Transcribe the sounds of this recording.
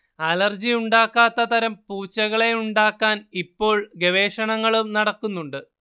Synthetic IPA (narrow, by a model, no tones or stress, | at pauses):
ɐlɐrd͡ʑijuɳɖaːkːaːt̪ːɐt̪ɐɾɐmpuːt͡ɕːɐɣɐɭe̞uɳɖaːkːaːnipːo̞ːɭɡeʋe̞ːʂɐɳɐŋːɐɭumnɐɽɐkːunːuɳɖɨ